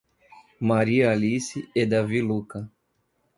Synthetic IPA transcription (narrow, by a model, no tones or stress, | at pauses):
maɾiɐalisiɛd̪avilukɐ